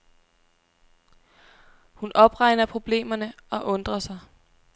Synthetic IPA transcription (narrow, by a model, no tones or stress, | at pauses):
hunʔɒ̽b̥ʁɑ̈ɪnɐpʰʁo̝b̥le̝̰ːmɐnəɒ̽ʔɔ̽nd̥ʁɐsɑ̈ɪ